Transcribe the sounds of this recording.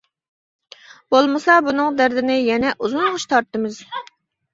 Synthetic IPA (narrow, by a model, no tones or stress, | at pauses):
b̥olˠmɨsɑbunɨŋd̪æɾd̪ɪnɪjɛnɛʔuzunʁʊʃt̪ʰɑɾt̪ːɨmɨz̥